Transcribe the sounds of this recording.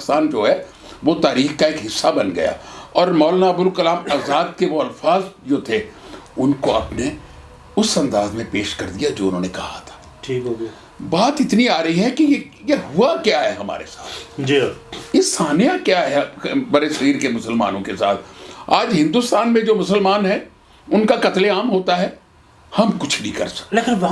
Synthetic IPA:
saːnd͡ʒoːɦɛ | ʋot̪aːɾiːxkaeːkɦɪsːabɐnɡɐ̰ja̰ːɔːɾmɔːlnabʊlkɐlaːmaːzaːd̪̚keʋoɐlfaːzd͡ʒoːt̪ʰe | ʊnkoɐpne | ʊsɐ̃nd̪aːzmẽpeːʃkɐɾd̪ijad͡ʒoːʊnɦõːnekɐɦhat̪ʰḁː | ʈʰiːko | baːt̪ɪt̪niaːɾɐɦiɦɛkije | jeɦuakjaɦɛɦɐma̰ːɾḛsaːt̪ʰd͡ʒijesaːnijakjaɦɛbɐɾeʃɐɾiːɾkemʊsəlma̰ːnõkesa̰ːt̪ʰaːd͡ʒɦɪ̃nd̪ʊst̪aːnmẽd͡ʒoːmʊsəlmaːnɦɛ | ʊnkakɐt̪leaːmɦoːt̪aɦɛ | hɐmkʊt͡ʃʰnĩkɐ̰ɾsɐ̥leːkɪnʋ

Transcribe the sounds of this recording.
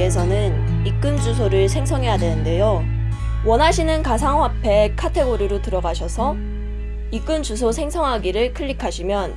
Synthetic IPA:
es̬ʰʌnɯn | ik͈ɯmd͡ʑus̬ʰoɾɯɭsʰe̞ŋsʰʌŋɦe̞jadwenɯnde̞jo | wʌnɦaɕʰinɯnkas̬ʰaŋwapʰe̞kʰatʰe̞ɡoɾiɾotɯɾʌɡaɕʰʌsʰʌ | ik͈ɯmd͡ʑusʰosʰe̞ŋsʰʌŋɦaɡiɾɯɭkʰɯʎːikʰaɕʰimjʌn

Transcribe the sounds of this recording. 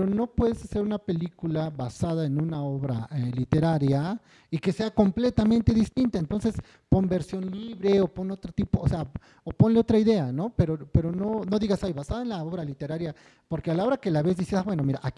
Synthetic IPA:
ɾono̞pweðesase̞ɾunape̞likulaβasaðaenũnaoβɾa̰elit̪eɾaɾja | ike̞se̞ako̞mple̞t̪amẽnt̪e̞ðist̪int̪aent̪o̞nse̞s | po̞mbe̞ɾsjo̞nliβɾeopo̞not̪ɾot̪ipoːsea | opo̞nleo̞t̪ɾaiðe̞ano̞pe̞ɾope̞ɾo̞nono̞ðiɣasajβasaðaenlaoβɾalit̪e̞ɾaɾja | po̞ɾkealao̞ɾake̞laβe̞zðiseðabwe̞no̞miɾaʔak

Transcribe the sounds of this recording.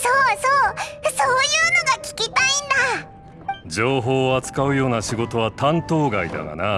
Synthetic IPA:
soːsoːsoːjɯːno̞ɡakʲi̥kʲit̪aĩnd̪a | d͡ʑo̞ːɦo̞ːat͡sɨ̥kaɯ̟jo̞ːnaɕiɡo̞t̪o̞β̞at̪ãnt̪o̞ːɡaid̪a̰ɡa̰na

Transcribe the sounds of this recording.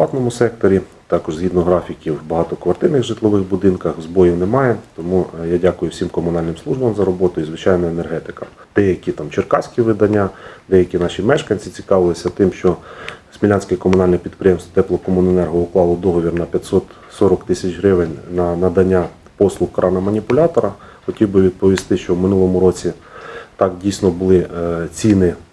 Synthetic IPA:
lˠɑt̪nɔmʊsɛk̚t̪ɔɾʲi | t̪ɑkɔʒzɦʲid̪nɔɦɾɑfʲikʲiwːbɐɦɑt̪ɔkʋɐrt̪ɪnɪxʐɪt̪lˠɔʋɪxbʊd̪ɪnkɐxzbɔjiwnemɑjɛt̪ɔmujadʲakʊjʊwsʲimkɔmʊnɑlʲnɪmslˠuʒbɐmzɐɾɔbɔt̪ʊizʋɪt͡ʃɑjnɔene̞rɦɛt̪ɪ̥kɐm | d̪̥ɛjɐkʲit̪ɑmt͡ʃerkɑsʲkʲiʋɪd̪ɐnʲːad̪ɛjɐkʲinɑʃʲimɛʃkɐnʲt͡sʲit͡sʲi̥kɑʋɪlˠɪsʲɐt̪ɪmʃt͡ʃɔsʲmʲilʲanʲsʲkɪjkɔmʊn̪ɑlʲnɛpʲid̪̚pɾɪjɛmst̪t̪ɛplˠɔkɔmʊnenɛrɦɔʊklˠɑlˠɔd̪ɔɦɔʋʲirnɐpʲjɐt̪ʲsɔt̪ | sɔɾɔkt̪ɪsʲɐt͡ʃɦɾɪʋenʲnɐnɐd̪ɐnʲːa | pɔslˠʊxkɾɑnɐmɐnʲipʊlʲɑt̪ɔɾɐ | xɔtʲiwbɪʋʲid̪̚pɔʋʲist̪ɪʃt͡ʃɔwmɪnulˠɔmʊɾɔt͡sʲi | t̪ɑkdʲijsʲnɔbʊlˠɪt͡sʲinɪ

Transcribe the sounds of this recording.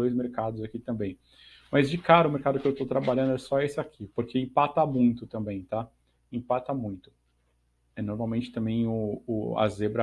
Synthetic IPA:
ojzmeɾkad̪ʊzakit̪ɐ̃mbẽj̃ | mɐzd͡ʒɪkaɾɐʊmeɾkad̪ʊkɪewt̪owt̪ɾabaʎɐ̃nd̪ʊɛsɔesɪakʰipoɾkʰeĩpat̪ɐmũj̃t̪ʊt̪ɐ̃mbẽj̃t̪a | ĩpat̪ɐmũj̃t̪ʊ̥ | ɛnoɾmaw̃mẽnt͡ʃɪt̪ɐ̃mbẽj̃ʊ̰ːa̰zebɾɐ

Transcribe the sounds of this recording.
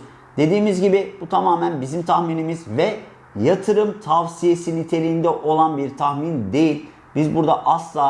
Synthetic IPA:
d̪̥e̞d̪iːmizɟibibut̪ʰamaːmænbizimt̪ʰahminimizvɛ | jat̪ʰɯɾɯmt̪ʰavsijesinit̪ʰe̞lʲiːnd̪ɛʔo̞lˠanbiɾt̪ʰaxmind̪e̞jilʲ | bizbuɾd̪aʔaslˠaː

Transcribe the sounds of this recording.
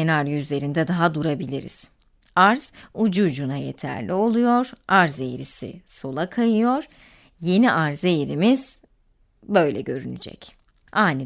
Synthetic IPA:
enaɾyzle̞ɾind̪ɛd̪aɦad̪uɾabilʲiɾḭz̥ | aɾz̥ud͡ʒud͡ʒunajḛt̪ʰæ̰ɾlʲio̞lˠujo̞ɾ̥aɾze̞jɾisḭso̞lˠakʰajɯjo̞ɾ̥ | je̞niʔaɾzejɾimiz̥ | bø̞jlʲɛ̰ɟø̞ɾy̰ny̰d͡ʒɛ̰c | aːni

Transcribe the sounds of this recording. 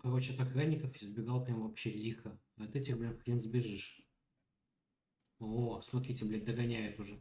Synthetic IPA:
kɐɾot͡ɕɪɐt̪ɐkɾanʲːɪkəfɪzbʲɪɡɑlˠpɾʲamvɐpɕelʲixə | ɐt̪ɛtʲɪxblʲenkxlʲinzbʲɪʐɨʂ | osmɐt̪ɾʲitʲɪblʲed̪əɡɐnʲæjʊt̪ʊʐɛ

